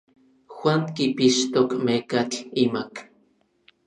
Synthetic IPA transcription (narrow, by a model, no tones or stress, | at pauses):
xwʷaŋkipiʃt̪okmekat͡ɬimak